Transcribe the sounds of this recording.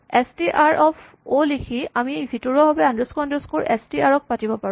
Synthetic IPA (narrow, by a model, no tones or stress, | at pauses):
ɛstiʔaɹʔɔpʰ | olikʰiamibʱitɔɹɔɦɔbɛãndoskoandoskoɹʔɛstiaɹɔk̚patibɔpaɹ̃